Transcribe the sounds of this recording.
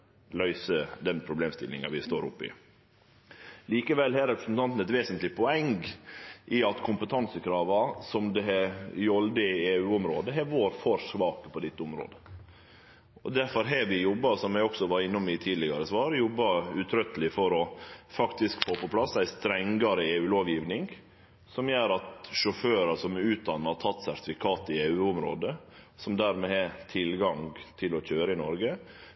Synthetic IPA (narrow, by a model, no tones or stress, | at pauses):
lœʏsəd̪ɛnpʰɾʊbleːmst̪ɪ̰lːɪ̰ŋɑ̰ʋɪst̪o̰ːɾʊ̰pːɪ̰ | liːkəʋɛlhɛːɾɛpɾəsnt̪ʰɑnt̪n̩ɛt̪ʋeːsənt̪lɪpʰɔɛŋɡʔɪɑt̪kʰʊmpət̪ʰɑnsəkʰɾɑːʋɑsɔmd̪ɛɦɛjɔld̪əɪeːʉːɔmɾoːd̪əɦɛɾʋoːɾfɔɾsʋɑːpəpʰɔd̪ɪt̪ːəʊmɾo̰ːd̪ə | ɔd̪æɾfɔɾɦɛʋɪjɔbːɑɾsɔmjæɡɔksɔʋɑɾɪnːʊmɪt̪ʰiːlɪɡɑɾəsʋɑːɾjɔbːɑʉt̪ʰɾœt̪əlɪfɔɾɔfɑkt̪ɪskfoːpɔpʰlɑsːæɪst̪ɾɛŋɡɑɾəeːʉːloːʋjiːʋnɪŋ | sɔmjøːɾɑt̪ʂʊføːɾɑʂɔmʉːt̪̚d̪ɑnːɑɾt̪ʰɑt̪ːsæɾt̪ɪfɪkʰɑːt̪ɪeːʉːʊmɾo̰ːd̪əsɔmd̪æɾmɛhɛt̪ʰɪlɡɑŋɡt̪ʰɪlɔçøːɾəɪnɔɾɡə